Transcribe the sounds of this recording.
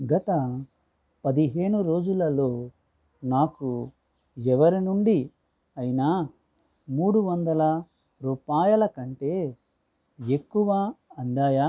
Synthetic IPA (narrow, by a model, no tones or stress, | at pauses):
ɡɐt̪ɐ | pɐd̪iɦe̞ːɳuɾo̞ːd͡ʒulɐlo̞ː | naːku | ɛʋɐɾinuɳɖi | ɐjinaː | muːɽuʋɐnd̪ɐlɐ | ɾuːpaːjɐlɐkɐɳʈe̞ː | e̞kːuʋaːɐnd̪aːjaː